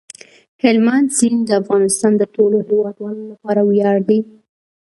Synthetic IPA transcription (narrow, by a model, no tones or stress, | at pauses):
hɪlmansind̪əafɣɑnɪst̪ɑnd̪əʈolohɪwɑd̪wɑlolapɑɾawjɑɽd̪i